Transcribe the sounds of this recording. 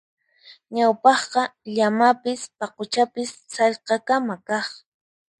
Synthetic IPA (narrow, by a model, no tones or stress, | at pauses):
ɲawpɑχqɑʎamapɪspɑqʊt͡ʃapɪssɑʎqɑkamakɑχ